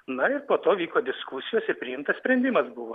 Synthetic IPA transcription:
nɐɪɾpoːt̪oːʋʲiːkoːd̪ʲɪskusʲɪjoːsɪɾpʲɾʲɪɪmt̪ɐssʲpʲɾʲɛnʲd̪ʲɪmɐsbʊʋoː

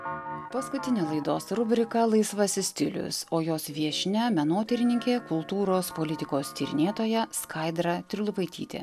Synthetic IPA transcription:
pɐskʊt̪ʲɪnʲeːlˠɐɪd̪o̰ːsɾʊbʲɾʲɪkɐlˠɐɪsʋɐsʲɪsʲt̪ʲɪlʲʊ̰soːjoːsʋʲiɛʃʲnʲɛmʲɛnoːt̪ʲɪɾʲɪnʲɪŋʲkʲeːkʊlˠt̪uːɾoːspolʲɪt̪ʲɪkoːst̪ʲiːɾʲɪ̰nʲeːt̪oːjɛskɐɪd̪ɾɐt̪ʲɾʲɪlˠʊpɐɪt̪ʲḭːt̪ʲḛ

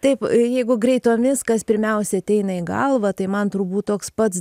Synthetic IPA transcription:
t̪ɐɪpjɛɪɡʊɡrʲɛɪt̪oːmʲɪskɐspʲɪɾʲmʲɛʊsʲɛɐt̪ʲɛɪnɐɪɡɐ̰lˠʋɐt̪ɐɪmɐnt̪ɾubuːt̪t̪oːkspɐt̪s

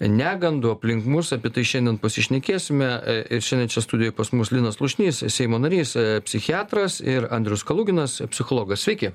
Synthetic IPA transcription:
nʲæːɡɐnd̪ʊɐpʲlʲɪŋkmʊsɐpʲiɛt̪ɐɪʃʲɛnd̪ʲɛnpɐsʲɪʃʲnʲɛkʲeːsʲɪmʲɛɪʃʲɛnʲd̪ʲɛnt͡ʃʲɛst̪ʊd̪ʲɪjoːjpɐsmʊslʲɪnɐslˠʊʃʲnʲiːssʲɛɪmoːnɐɾʲiːspʲsʲɪxʲɪɑːt̪ɾɐsɪɾɐnʲd̪ʲɾʲɪʊskɐlˠuːɡʲɪnɐspʲsʲɪxoːlˠoːɡɐssʲʋʲɛɪkʲɪ

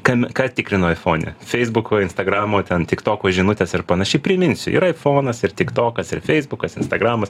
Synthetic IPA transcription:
kɑmʲkɑːt̪ʲɪkɾʲɪnoːɐɪfoːnʲɛ̰fʲɛɪzbʊkoːɪnst̪ɐɡɾɑːmoːt̪ʲɛnt̪ʲɪkt̪oːkoːʒʲɪnʊt̪ʲeːsɪrpɐnɐʃʲɛɪpʲɾʲɪmʲɪnʲsʲʊɪ̰ɾɐɪfoːnɐsɪrt̪ʲɪkt̪oːkɐsɪrfʲɛɪzbʊkɐsɪnst̪ɐɡɾɑːmɐs

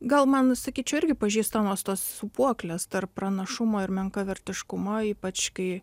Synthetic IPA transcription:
ɡɐlˠmɐnsɐkʲiːt͡ʃʲɛʊɪɾʲɡʲɪpɐʒʲiːst̪ɐmoːst̪oːssʊpuɔklʲeːst̪ɐrppɾɐnɐʃʊmoːɪɾmʲɛŋkɐʋʲɛɾʲt̪ʲɪʃkʊmɐiːpɐt͡ʃkɐɪ

